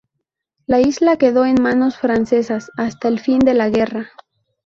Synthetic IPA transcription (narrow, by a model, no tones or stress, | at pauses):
laizlake̞ðo̞e̞nmãno̞sfɾanse̞sasast̪aelfind̪e̞laɣe̞ra